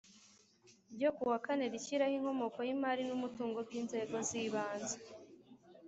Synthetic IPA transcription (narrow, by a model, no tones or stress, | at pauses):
ibɟokuwakane̞ɾiciɾahiŋ̥ho̞mo̞ko̞jimaːɾinumutuːŋɡo̞bɡiːnze̞ːɡo̞ziβaːnze